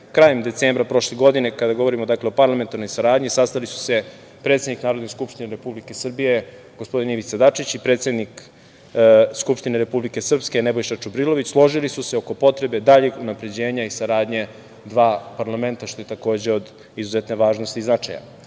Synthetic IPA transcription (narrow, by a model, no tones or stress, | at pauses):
kɾaːjemd̪et̪seːmbɾapɾo̞ʃleɡo̞d̪ine̞kad̪aɡo̞ʋo̞ɾimod̪akleopaɾlˠament̪aɾno̞jsaɾaːd̪ɲisast̪alisu̥se̞ | pɾet̪sed̪niknaːɾod̪neskupʃt̪ineɾe̞publike̞sr̩bije̞ | ɡ̥ospo̞d̪iniʋit̪sad̪at͡ʃit͡ɕipɾet̪sed̪nik | skupʃt̪ineɾe̞publike̞sr̩pskenebo̞jʃat͡ʃubɾilo̞ʋit͡ɕslˠo̞ʒilisuseo̞ko̞po̞t̪ɾe̞be̞d̪aʎeɡunapɾe̞d͡ʑe̞ːɲaisaɾaːd̪ɲe̞ | d̪ʋaːpaɾlˠame̞nt̪aʃt̪o̞jet̪ako̞ːd͡ʑe̞o̞d̪ | izuzet̪ne̞ʋaːʒno̞st̪iːznat͡ʃa̰ja̰